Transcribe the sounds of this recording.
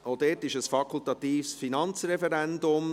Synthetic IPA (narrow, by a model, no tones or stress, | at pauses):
oʊd̥ɛːtɪʃəsfɑkʰʊltɑt̪iːfsfinɑnt͡srɛfɛɾɛndʊm